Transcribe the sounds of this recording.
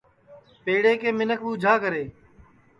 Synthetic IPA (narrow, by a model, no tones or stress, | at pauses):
peːɽeːkeːmɪnəkuːd͡ʒʱaːkəɾeː